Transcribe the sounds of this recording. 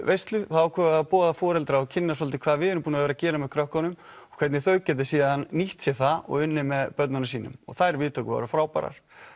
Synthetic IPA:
vejst̪lʏθaakʰɛːapɔːðafɔːɾɛlt̪ɾaɔcʰɪnːas̬ɔlt̪ɪkʰvaːðvɪðɪɾʏmpuːnaveːɾacɛːɾamɛð̥kʰɾœhkanʏm | ɔkʰɛt̪nɪθœɥcɛːt̪̬ɪsiːðanːiht̪sjɛθaɔ̰ɣɪnːɪmɛðpœt̪nanasiːnʏ̰mɔ̰ɣθajɾvɪːðt̪ʰœkva̰ɾʏfɾaːwpa̰ɾa̰ɾ̥

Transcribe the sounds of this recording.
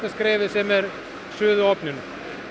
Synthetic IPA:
t̪askɾɛːvɪðsɛmɛɾ | sʏːðʏɔpnʏnʏ

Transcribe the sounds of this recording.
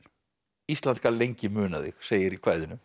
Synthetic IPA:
ist̪lanskalejɲcɪmʏːnaðɪ̰xseːjɪɾikʰvaːjðʏnʏm

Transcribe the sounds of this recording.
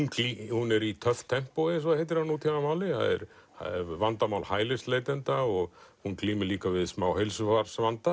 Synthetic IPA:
kihunɛɾit̪ʰœft̪ʰːɛm̥poɪsvaðhejt̪̬ːɪɾ̥hanːut̪ʰjanamaːwlɪha̰ðɛ̰ɾha̰ɛɾvant̪amaːwlhaːjlɪst̪leːjt̪ɛnt̪aɔɣhunkliːmɪliːkavɪðsmaːwhejlsʏfaɾ̥svant̪a

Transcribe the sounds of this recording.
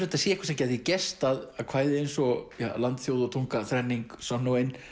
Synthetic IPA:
ɾʏt̪asjɛːɛkvasɛmcɛːjðicɛst̪aðaðkʰv̥aːjðɪejnsɔjalant̪θjowðʊt̪ʰuŋkaθɾɛnːiŋksɔnːuejn

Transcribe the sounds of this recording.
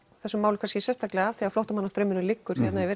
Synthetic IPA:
θɛsːʏmaːwlʏkʰanscɪsɛst̪aklɛaalt̪iaflɔwht̪amanːast̪ɾœːɥmɪnʏlɪkːʏɾ̥çɛt̪naɛvɛɾ

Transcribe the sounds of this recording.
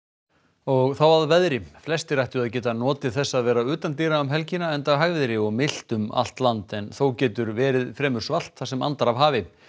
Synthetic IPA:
ɔɣθawaðvɛðɾɪflɛst̪ɪɾajht̪ʏaðcɛːt̪anɔːt̪ɪ̥θɛsːaðvɛːɾaʏːt̪ant̪iːɾaʏmɦɛlcɪnaɛnt̪aɦaɣvɪðɾɪɔɣmɪl̥t̪ʏma̰l̥t̪lant̪ɛnθowcɛːt̪ʏɾvɛːɾɪðfɾɛːmʏɾ̥sval̥t̪θasɛma̰nt̪aɾavɦaːvɪ

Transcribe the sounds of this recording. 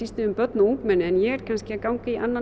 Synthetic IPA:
ist̪ɪʏmpœt̪nauŋkmɛnːɪɛnjɛɣɛɾ̥kʰanscɪakawŋcɪiʔanːa

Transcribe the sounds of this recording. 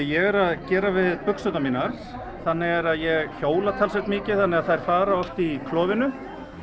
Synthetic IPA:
jɛɣɛɾaðcɛːɾavɪðpʏksœt̪amiːnaɾ̥ | θanːɪɣɛɾaðjɛɣçoːwlat̪ʰalsɛxt̪mɪːcɪθanːɪɣaðθajɾ̥faːɾaɔft̪ikʰlɔːvɪnʏ

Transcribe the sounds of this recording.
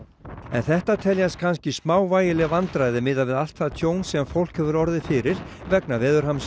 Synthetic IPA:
ɛ̰nθɛht̪at̪ʰɛljaskʰanscɪsmaːwvaːjɪlɛɣvant̪ɾajðɪmɪðavɪðal̥t̪θaðt̪ʰjoːwnsɛmfowl̥khɛvʏɾɔɾðɪfɪɾɪɾ̥ | vɛknavɛːðʏɾ̥hams

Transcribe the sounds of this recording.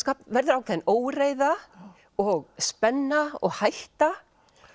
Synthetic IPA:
kaːpvɛɾðʏɾawkʰɛðɪnoːwɾreːjða | ɔɣspɛnːaɔ̰ɣhajht̪a

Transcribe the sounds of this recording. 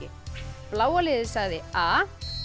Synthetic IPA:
ɪ̰ | plaːwalɪðɪsaɣðɪaː

